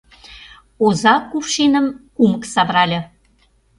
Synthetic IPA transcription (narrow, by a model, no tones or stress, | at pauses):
ozɑkufʃenə̆mkumə̆ksɑβɾɑlʲɤ̆